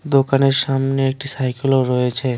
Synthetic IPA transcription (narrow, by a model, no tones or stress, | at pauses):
d̪okaneɾsamneːk̚ʈisajkiloɾɔet͡ʃʰe